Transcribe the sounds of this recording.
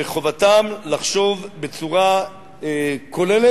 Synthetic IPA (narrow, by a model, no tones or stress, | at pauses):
eχo̞vatamlaχʃo̞vbe̞t͡suʁa | ekʰo̞lele